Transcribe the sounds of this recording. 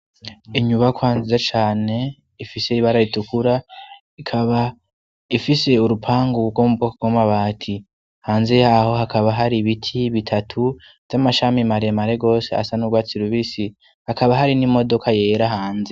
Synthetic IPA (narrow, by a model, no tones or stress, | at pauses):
iɲuβakwaːnzizat͡ʃaːne̞ | ifise̞iβaɾaitukuɾa | ikʰaβa | ifise̞uɾupʰaːŋɡuɡomupokaɡwamaβaːtʰi | haːnze̞jaho̞hakʰaβaɦaɾiβitʰiβitʰatʰu | z̥amaʃamimaɾiemaɾe̞ɡo̞ːsea̰sanuɡwaːt͡siɾuβisi | hakaβaɦaɾinimo̞do̞kʰaje̞ːɾaɦaːnze̞